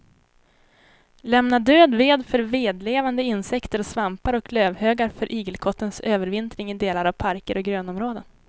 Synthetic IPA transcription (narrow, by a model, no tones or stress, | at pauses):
lɛmnad̪øːd̪veːd̪fœɾveːd̪leːvand̪əɪnsɛkt̪əɾɔsvampaɾɔkløːvhøːɡaɾfœɾʔiːɡəlkʰɔt̪ːənsøːvəɾvɪnt̪ɾɪŋɪd̪eːlaɾavpʰaɾkəɾɔɡɾøːnɔmɾoːd̪ən